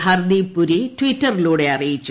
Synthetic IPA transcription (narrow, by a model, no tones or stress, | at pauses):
hɐrd̪ipːuɾitwitːɐriluːɽe̞ɐrijit͡ɕːu